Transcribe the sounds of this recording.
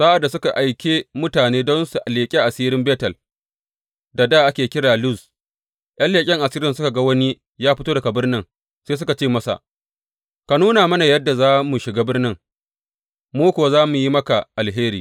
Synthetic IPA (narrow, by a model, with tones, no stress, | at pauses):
sa˦ʔa˨da˨sʊ˦ka˨ʔa˨jkʲeː˦mʊ˦taː˨neː˦dɔ˦nsu˨ʔa˨leː˨kʲʼi˦ʔa˨siː˦ɾɪ˦mbeː˦tɐ˨l | da˨daː˦ʔa˦kʲeː˨kʲɪ˦ɽaː˨lʊ˦˨z | ʔj̰ʔɐ˦nleː˨kʲʼɪ˦ŋʔa˨siː˦ɾɪ˨nsʊ˦ka˨ɡa˦wɐ˦ni˦ | jaː˦ɸɪ˦toː˦dɐ˨ka˨bɪ˦rnɪ˦ŋ | seː˦s̬ʊ˦ka˨t͡ʃeː˦˨mɐ˦sa̰˨ | ka˨nuː˦naː˨mɐ˦na˨jɐ˦dːa˨zaː˦mu˨ʃɪ˨ɡaː˦bɪ˦rnɪ˦ŋ | muː˦kʷwa˨zaː˦mu˨ji˦mɐ˦ka˨ʔa˨lɦeː˦ɾḭː˨